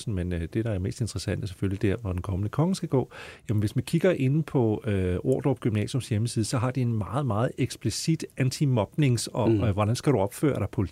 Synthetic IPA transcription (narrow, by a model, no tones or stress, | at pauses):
sn̩menød̥e̝ɾɑ̈æme̝̰ːsd̥e̝nd̥ʁɐsæn̰d̥əse̥føllid̥eɐɐʋɒd̥enkʰɒ̽mənəkʰɒ̽ŋəsɡ̥æɡ̥ɔ̰̽ːjæmenʋe̝smænkʰiɡ̥ɐʔe̝npʰɒ̽oɐ̰d̥ɒ̥ɡ̥ymnɛ̰ːsjomsjeməsiːð̞̩ˠsɒ̽ɦɑ̈d̥ie̝nmɑ̈ːð̩ˠmɑ̈ːð̞̩ˠeɡ̥sb̥lisid̥ænt͡sʰimɒ̽b̥ne̝ŋsɒ̽ʋɒɾ̥ænsɡ̥æɾ̥uɒ̽b̥fø̰ːɐɾ̥ɑ̈pʰo̝l